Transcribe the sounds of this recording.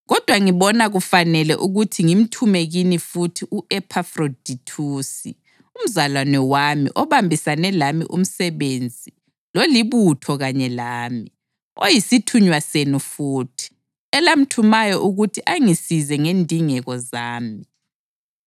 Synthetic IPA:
ɣɔd̥ʱwaŋiβɔnaɣufanɛlɛ̰ʔuɣutʰiŋim̩tʰumeɣinifutʰiʔuʔɛpʰafrodʱitʰusḭ | um̩zalwanɛwamḭʔɔβambʱisanɛlamḭʔṵm̩sɛβend͡zʱi | loliβutʰɔɣaɲɛlaːmi | ojisitʰuɲwasenufuːtʰi̥ | ɛlam̩tʰumajɔʔuɣutʰiʔaŋisizɛŋendʱiŋɛɣɔzaːmi

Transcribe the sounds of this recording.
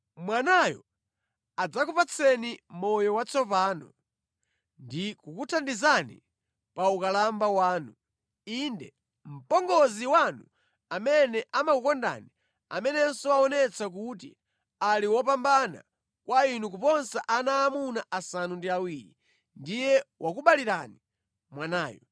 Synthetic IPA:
mwanajɔ̰ | ad͡zakupat͡sʰɛnimɔjɔwat͡sʰɔpaːnɔ | ndikukutʰandizanḭ | paukalambawaːnu | indɛ | m̩pɔŋɡɔziwanu | amɛnɛʔamakukɔnda̰ni | a̰mɛnɛnsɔaɔnɛt͡sak̬utḭ | aliwɔp̬ambana̰ | kwainuk̬upɔnsɛʔanaːmunaʔasanundiawiɾi | ndijɛwʔakuɓaliɾani | mwanaːjɔ̰

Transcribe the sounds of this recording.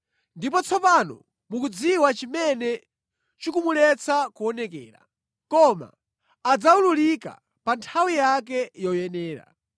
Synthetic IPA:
ndip̬ɔt͡sʰɔpanɔ̰ | mukud͡ziwat͡ʃimɛnɛ | t͡ʃikumulɛt͡sʰakuɔnɛkɛ̰ːɾa̰ | kɔma̰ː | d͡zaululika̰ | pantʰawijak̬ɛjɔjɛnɛːɾa̰

